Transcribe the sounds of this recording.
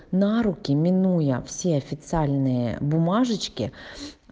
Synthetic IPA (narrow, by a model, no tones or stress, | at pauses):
nɑɾʊkʲɪmʲinujɐwsʲiɐfʲit̪sʲɪɑlʲnɪjɛ̰bʊmɑʒɪt͡ʃkɪ